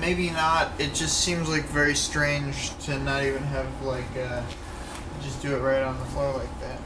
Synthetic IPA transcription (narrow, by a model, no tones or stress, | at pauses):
meɪbinəɾɨt̚d̥ʒ̥ʌstsĩmzlaɪkvɛɹistɹ̥ẽɪ̃nd͡ʒtʰɨnəɾivɨ̃nɨvlaɪkʌ̥ | d͡ʒʌsd̥ɨɨt̚ɹaɪɾ̃n̩ðəflɔɹlaɪk̚ðæt̚